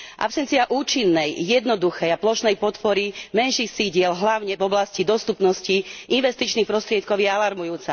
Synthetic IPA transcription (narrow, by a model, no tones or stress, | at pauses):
ʔa̰psɛnt͡siaʔuːt͡ʃinːɛjːɛd̪nɔd̪uxɛjaplɔʃnɛjpɔt̪pɔɾimɛnʃixsiɟɪɛlɦlaʊɲɛvɔblascid̪ɔst̪upnɔsciinʋɛst̪it͡ʃnixpɾɔst̪ɾɪɛt̪kɔʊjɛalaɾmujuːt͡sa